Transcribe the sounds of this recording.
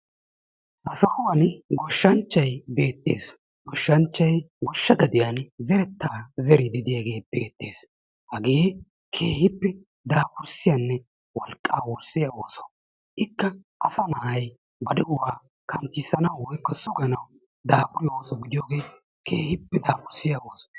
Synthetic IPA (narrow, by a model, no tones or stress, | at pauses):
ʔɐsɐkʊwɐnɡɔʃːɐnt͡ʃːɐjbe̞ːt̪ʼːe̞̰ːs | ɡɔʃːɐnt͡ʃːɐjɡɔʃːɐɡɐd̪ɪjanzɛɾɛt̪ːaːzɛɾɪd̪ɪd̪ɪjaɡe̞ːbeːt̪ːe̞ːs | hɐɡeː | kʰe̞ːhɪpːɛ | d̪aːpʊɾsɪjɐnːɛ | wɔlkʼːa̰ːwɔɾsɪjaoːsɔ̥ | ʔɪkːɐ | ʔɐsɐnaːhɐj | bɐd̪ɛʔʊwaː | kʰɐnt̪ɪsɐnɐwwɔjkːɔsɔɡɐnɐw | d̪aːkʊɾlːɐoːsɔɡɪd̪ɪjoːɡe̞ː | kʰeːhɪpːɛd̪aːpʊɾsɪjɐo̞ːsɔ̥